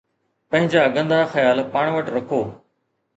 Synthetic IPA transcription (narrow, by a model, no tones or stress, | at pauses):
pɐ̃ɦɪ̃ɲd͡ʑaɐɡə̃nd̪axɐjaːlpaːɳ̃ʋəʈɾɐkʰoː